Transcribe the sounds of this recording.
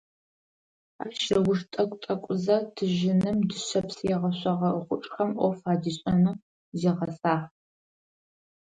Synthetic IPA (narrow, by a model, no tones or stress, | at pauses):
a̰ːʃɐwʷʊʃtʼɐkʷʼtʼɐkʷʼʊzɐtʰɨʒɪnɨmdɨɕɐpsjɛʁɐɕʷɐʁɐəχʷʊʈ͡ʂʼχɐmʔʷɔfaːdiɕʼɐnɨ | zeːʁɐsʼaːħ